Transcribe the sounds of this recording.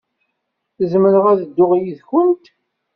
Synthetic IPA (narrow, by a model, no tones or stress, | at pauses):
θəzməɾəʁæðəd̪ːʊʁjiðçʊnt̪